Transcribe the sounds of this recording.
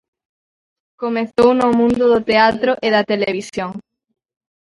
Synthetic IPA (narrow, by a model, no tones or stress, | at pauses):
komeθownʊmũnd̪ʊðʊt̪eat̪ɾʊʔɪðɐt̪eleβisjoŋ